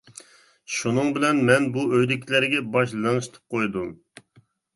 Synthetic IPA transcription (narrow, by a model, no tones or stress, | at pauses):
ʃunɨŋbɪlɛnmɛnbuøjd̪ɪkʲʰilæɾɡʲɛbɑʃlɨŋʃt̪ʰɨ̥p̚qʰojd̪um